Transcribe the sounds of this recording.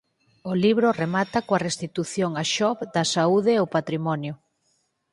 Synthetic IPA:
oliβɾoremat̪ɐkoɐrest̪it̪uθjoŋaʃɔβd̪ɐsauðeopat̪ɾimɔnjʊ

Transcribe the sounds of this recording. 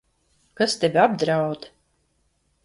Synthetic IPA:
kast̪ʲɛvʲiab̚d̪ɾawd̪

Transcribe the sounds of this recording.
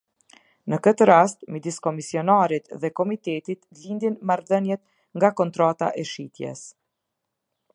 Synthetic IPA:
nəkət̪əɾast̪mid̪iskɔmisiɔnaɾit̪ðɛkɔmit̪ɛt̪it̪lind̪inmaɾðənjɛt̪ | ŋɡakɔnt̪ɾat̪a̰ʔɛʃit̪jɛ̰s

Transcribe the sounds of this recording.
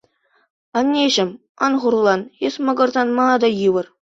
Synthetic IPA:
ɑnʲːeʑɘ̆m | ɑ̰nʁurlˠɑnesmɤ̆ɡɤ̆rzɑnmɑɑd̪ɑjɯʋɤ̆r

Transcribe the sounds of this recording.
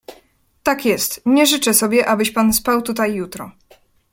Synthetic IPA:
t̪akjɛst̪ɲɛʐɘt͡ʂɛsɔbʲjɛʔabɘɕpanspawt̪ut̪ajːut̪ɾɔ

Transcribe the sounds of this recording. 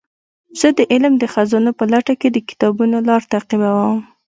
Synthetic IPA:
z̥əd̪əʔɪlmd̪əxazɑnopəlaʈaked̪əkɪ̥t̪ɑbunolɑɾt̪aqibawəm

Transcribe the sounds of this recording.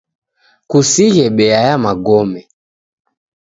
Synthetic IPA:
kusiɣɛɓɛajamaɡɔmɛ

